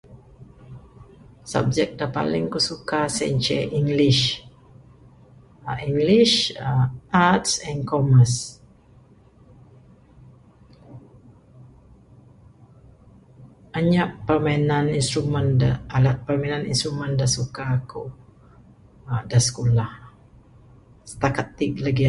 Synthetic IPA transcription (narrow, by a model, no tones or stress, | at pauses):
sa̰b̚d͡ʒɛk̚dapa̰lɪŋkusukasɛ̰ɲt͡ʃɛ̰ʔiŋɡliʃ | iŋɡliʃ | ʔatsɛ̃nkɔməs | aɲaʔpərmainãninst̪ɾumənaalat̪̚pərmainaninst̪ɾumə̃ndasukaku | dasə̥kolah | sə̥t̪akat̪ːik̚ləɡi